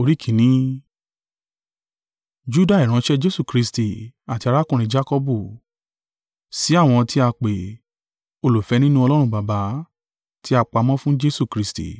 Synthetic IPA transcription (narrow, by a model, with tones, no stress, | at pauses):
o˧ɾi˨˦kʰĩ˨nĩ˨˦ | d͡ʒu˦da˦˨i˨ɾ̃ã˨˦ʃɛ˦d͡ʒe˦su˦˨kɾi˧sti˨a˨ti˧a˧ɾa˦kũ˦˨ɾ̃ĩ˧d͡ʒa˦kɔ˧bu˦˨ | si˨˦a˦˨w̃ɔ̃˧ti˦a˧k͡pe˨ | o˧lo˨fɛ˨˧˦nĩ˦nũ˦ɔ˧lɔ˦ɾ̃ũ˧ba˨ba˨˦ | ti˦a˧k͡pa˧mɔ̃˦fũ˦d͡ʒe˦su˦˨kɾi˨˧stḭ˨